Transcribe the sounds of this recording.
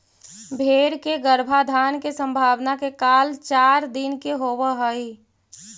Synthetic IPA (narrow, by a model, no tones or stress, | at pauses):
bʱeːɾkeɡəɾbʱad̪ʱaːnkesə̃mbʱaːʋnakekaːlt͡ʃaːɾd̪inkeɦoːwəɦəi